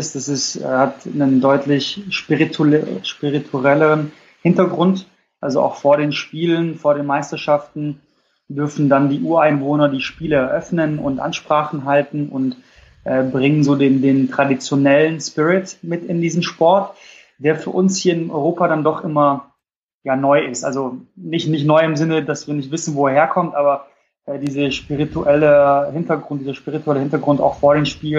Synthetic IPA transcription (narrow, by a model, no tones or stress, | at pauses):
ɪsd̥asɪsɛ̰ːhatnəndɔʏtʰlɪçʃpɪʁitʰuʃpɪʁitʰuʁɛləʁ̞ən | hɪntɐɡʁʊnt | ʔalzoʔa̰ʊxfoːɐɾeːnʃpiːlənfoːɐɾeːnmaɪstɐʃaftn̩ | dʏɐfn̩dandiːʔuːɐaɪnvoːnɐdiːʃpiːləɛɐʔœfnənʊ̰ntʔa̰nʃpʁ̥aːχn̩ɦaltn̩ʊ̰nt | ʔɛːbʁɪŋənzoːdeːndeːntʁ̥adit͡sjonɛlənspɪʁɪtmɪtɪndiːzn̩ʃpɔɐt | d̥eːɐfyːɐʔʊnshiːɐɪnʔɔ̰ʏʁoːpaɾandɔχʔɪmɐ | jaːnɔʏɪstʔa̰lzonɪçtnɪçtnɔʏɪmzɪnədasv̥iːɐnɪçtv̥ɪsn̩voːɛːɐɦeːɐkʰɔmtʔaːbɐ | ʔɛːdiːzəʃpiʁituʔɛləhɪntɐɡʁʊntdiːzɐʃpiʁituɛləhɪntɐɡʁʊnta̰ʊxfoːɐɾeːnʃpiːl